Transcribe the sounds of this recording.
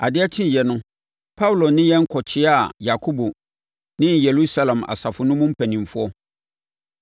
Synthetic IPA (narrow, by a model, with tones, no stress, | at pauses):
a˨dɪ˦ɛ˦tʰɪ̃˦˨jɛ˨nʊ̃˦ | pʰa˦wu˨lo˨nɪ̃˦jɛ̃˦ŋ̩˦kʰɔ˨t͡ɕʰɪ˦a˨ja˨kʰo˦bo˨ | nɪ̃˦je˨lu˦sa˦lã˨ma̰˨sa˨fʊ˨nʊ̃˦mʊ̃˦m̩˦pʰɛ˨nĩ˨mfʊ˦ɔ˦